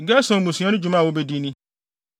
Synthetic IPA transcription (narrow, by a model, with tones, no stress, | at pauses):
ɡɛ˦sɔ̃˨mũ˨sĩ˨˦a˦nʊ̃˦d͡ʑu˨mã˦˨wo˦bɛ˦di˦nĩ˦